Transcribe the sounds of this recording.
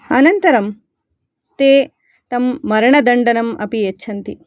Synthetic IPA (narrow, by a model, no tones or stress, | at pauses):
ɐnɐnt̪ɐɾɐm | t̪eː | t̪ɐmːɐɾɐɳɐd̪ɐɳɖɐnɐmɐ̰pijet͡ʃːʃʰɐnt̪i